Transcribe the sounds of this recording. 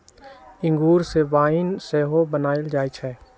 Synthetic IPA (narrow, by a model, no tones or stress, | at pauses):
ɪ̃ŋɡuːɾseʋaːɪnseːɦobənaːɪld͡ʒaːit͡ʃʰɛː